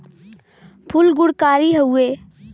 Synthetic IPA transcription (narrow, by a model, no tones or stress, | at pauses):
pʰʊlɡʊɽkaːɾiɦəueː